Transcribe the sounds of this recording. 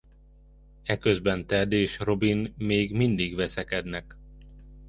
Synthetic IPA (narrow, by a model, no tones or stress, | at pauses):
ɛkøzbɛnt̪ɛd̪eːʃro̞binmeːɡmind̪iɡʋɛsɛkɛd̪nɛk